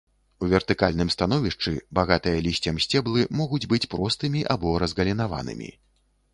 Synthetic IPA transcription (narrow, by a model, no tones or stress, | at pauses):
uvʲɛrt̪ɨkalʲnɨmst̪anɔvʲiʂt͡ʂɨbaɣat̪ɨjɐlʲisʲt͡sʲɐmsʲt͡sʲɛblˠɨmɔɣud͡zʲbɨt͡sʲpɾɔst̪ɨmʲiʔabɔɾɐzɣɐlʲinava̰nɨ̰mʲḭ